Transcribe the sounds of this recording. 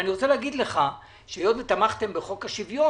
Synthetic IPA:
niʁot͡seleaɡid̪leχa | ʃejod̪vet̪amaχt̪e̞mbeχo̞kaʃivjo

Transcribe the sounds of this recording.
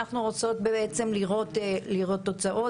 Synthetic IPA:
aχnuʁot͡so̞t̪beet͡se̞mliʁo̞tliʁo̞t̪ːo̞t͡saʔo̞

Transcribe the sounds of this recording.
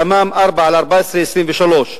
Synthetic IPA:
amaːmʔɑɾˤbaʕalɑɾˤbaːsɾist̪iːnvɪʃaloːʃ

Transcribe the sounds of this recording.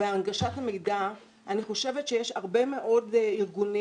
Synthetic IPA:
eanɡaʃathamejda | aniχo̞ʃevetʃejeʃaʁbe̞me̞ʔo̞diʁɡuni

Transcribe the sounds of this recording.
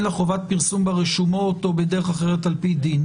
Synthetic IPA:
leχo̞vat̚piʁsumbaʁeʃumoːt̪o̞bed̪eʁeχaχeʁet̪alpid̪in

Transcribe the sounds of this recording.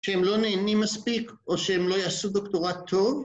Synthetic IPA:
ʃeemlo̞neːnimːaspikʔo̞ʃehemlo̞jasud̪okt̪oʁat̪ʰːo̞v

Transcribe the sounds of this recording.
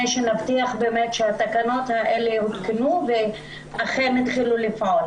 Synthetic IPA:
ejʃenavt̪iaχbeːmetʃeat̪akano̞t̪haʔeleut̪kenuve | aχenit̪χilulifaol

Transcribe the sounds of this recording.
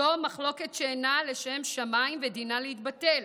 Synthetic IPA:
o̞maχlo̞ke̞tʃeːnaleʃe̞mʃamaimvedinaleit̪bate̞l

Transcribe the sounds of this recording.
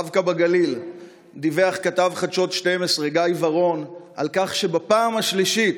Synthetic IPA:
vkabaɡalil | d̪ive̞aχkat̪avχad̪ʃo̞t̪ʃte̞mesʁeɡajvaʁo̞n | alkaχʃe̞bapaːmaʃliʃi

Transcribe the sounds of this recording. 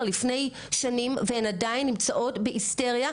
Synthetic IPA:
lifne̞j | ʃanimveenadainːimt͡saʔo̞tbeiste̞ʁja

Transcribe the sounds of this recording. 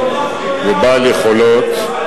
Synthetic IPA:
vebaleχolot̪

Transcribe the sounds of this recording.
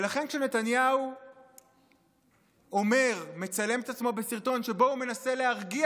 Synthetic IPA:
elaχe̞nkʃene̞t̪anjau | o̞me̞ʁme̞t͡sale̞met̪at͡smo̞besiʁt̪o̞nʃe̞bo̞ume̞nase̞leɦaʁɡi

